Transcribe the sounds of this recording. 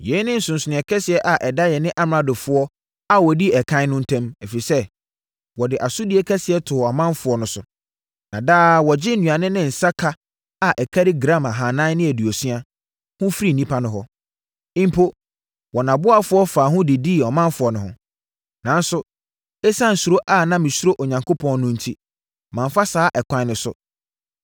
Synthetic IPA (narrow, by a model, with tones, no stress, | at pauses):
jɛ˨˦nɪ̃˦n̩˨sʊ̃˨n̩˨sɪ˨nɪ̃˨ɛ˨kʰɛ˦sɪ˨ɛ˦ʔa˨ʔɛ˨da˦jɛ˨nɪ̃˦ʔa˦m˨ɾã˨dʊ˨fʊ˨˦ɔ˦ | a˨wɔ˨di˦ɛ˨kʰã˦nʊ̃˦n̩˦tʰɛ̃˦mɛ˨fi˨i˨sɛ˦ | wɔ˨dɪ˨ʔa˨sʊ˦di˨e˦kʰɛ˦sɪ˨ɛ˦tʰʊ˨ɔ˨mã˦nfʊ˨ɔ˨nʊ̃˦sʊ˨ | nã˨daː˦˨wɔ˨d͡ʑɪ˦n̩˦nũ˨a˨nɪ̃˦nɪ̃˦n̩˨sa˦kʰa˦ | a˨ʔɛ˨kʰa˦ɾɪ˦ɡɾã˦ma˨ɦã˨nã˦nɪ̃˦æ˨di˨ɔ˨sɥa˦ | hʊ̃˦fɾi˦˨nĩ˦pʰa˦nʊ̃˦ɦɔ˦ | ɪ̃˦m̩˦pʰo˦ | wɔ˨nã˨bʊ˦a˦fʊ˨˦ɔ˦faː˨ɦʊ̃˦dɪ˨di˦˨ɔ˨mã˦nfʊ˨ɔ˨nʊ̃˨hʊ̃˨ | nã˨˦n˦sʊ˨ | ɛ˦sã˦n̩˨su˨ɾo˦ʔa˦˨nã˦mɪ̃˨su˦ɾo˦ʔo˨ɲã˨ŋkʰo˦pʰɔ̃˦n˦nʊ̃˦n̩˨tʰi˦ | mã˨ɱ˨fa˦saː˨˦ʔɛ˨kʷʰã˨˦nɪ̃˨sʊ̰˨